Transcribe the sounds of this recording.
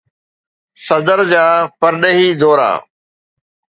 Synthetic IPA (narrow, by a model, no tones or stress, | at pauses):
sɐd̪əɾd͡ʑaːpɐɾɗeɦiːd̪oːɾa̰ː